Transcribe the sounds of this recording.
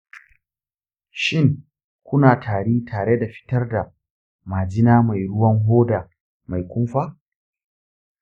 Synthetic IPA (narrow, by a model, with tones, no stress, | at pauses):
ʃɪ˦˨ŋ | kʷʊ˦naː˨tʰaː˨ɽiː˦tʰaː˨ɽe˦da˨ɸɪ̥˦tɐ˦rda˨ | maː˨d͡ʒɪ˦naː˦ma˨jɽʊ˦wɐ˦ŋɦoː˦da˨ | ma˨jkʷʊ˦mɸaː˦